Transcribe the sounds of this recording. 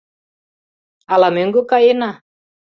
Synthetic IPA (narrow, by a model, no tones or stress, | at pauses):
alameŋɡʊkaina